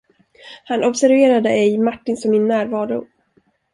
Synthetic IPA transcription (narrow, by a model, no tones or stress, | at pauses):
hanɔbsæɾveːɾad̪əɛjmaʈːɪnsɔmːɪnːæːɾvɑːɾʊ